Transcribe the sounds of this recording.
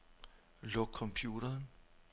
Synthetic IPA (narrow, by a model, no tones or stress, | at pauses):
lɔɡ̥̚kʰɒ̽mpʰjuːɾɐːn